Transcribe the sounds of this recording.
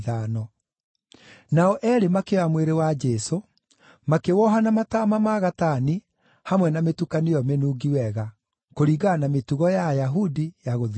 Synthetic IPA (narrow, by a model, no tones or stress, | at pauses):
ðanɔ | naɔʔɛɾemakeamweɾewad͡ʒɛso | makewɔɦanamatamamaɣatani | hamwɛnametukanijɔmenuːɡiwɛɣa | koɾiːɣanametuɣɔjajaɦudijaɣoð